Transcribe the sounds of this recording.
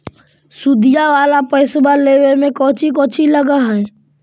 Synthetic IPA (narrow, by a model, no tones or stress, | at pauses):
sud̪ijaʋaːlapəɪsbaleːwemẽkɔ̃ːt͡ʃʰik̬ɔːt͡ʃʰiləɡaɦɛ̃